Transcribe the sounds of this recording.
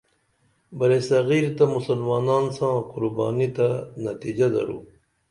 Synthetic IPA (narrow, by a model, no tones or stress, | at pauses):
bɐɾesɐɣiːɾt̪amusɐlmaːnaːnsãːqʊɾba̰ːnit̪anɐt̪id͡ʑad̪ɐ̰ɾṵː